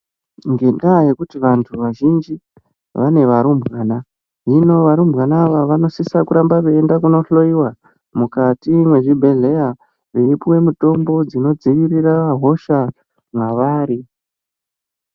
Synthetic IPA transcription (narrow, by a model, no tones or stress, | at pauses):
ŋɡe̞ndaje̞kutiʋantʰuʋaʒind͡ʒi | ʋane̞ʋaɾumbɣaːna | ɦino̞ʋaɾumbɣanaʋaʋano̞sisakuɾambakeendakuno̞ɬo̞iwa | mukatimwe̞ʐibʱe̞ɮe̞ja | riripuwe̞muto̞mbo̞d͡zino̞d͡ziʋiriraʋaɦo̞ʃa | mwaʋaːɾi